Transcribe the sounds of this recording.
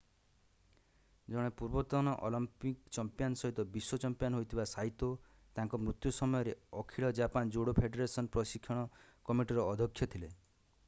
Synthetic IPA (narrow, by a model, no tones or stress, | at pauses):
d͡ʒɔɽ̃epuɾbɔt̪ɔɽ̃ɔʔɔlɔmpikt͡ʃɔmpjanɔsɔɦit̪ɔbiswɔt͡ʃɔmpjanɦojt̪ʰibasaɦit̪o | t̪ãŋkɔmɾut̪jusɔmɔjɔɾeɔkʰiɭɔd͡ʒapand͡ʒoɽopʰeɖeɾesɔnpɾɔsikʰːjɔɽ̃ɔ | kɔmiʈiɾɔːd̪ʱɔkʰːjɔt̪ʰile